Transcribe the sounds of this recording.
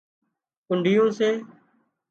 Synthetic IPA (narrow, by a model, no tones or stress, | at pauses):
kʊɳɖʱɪjõːseː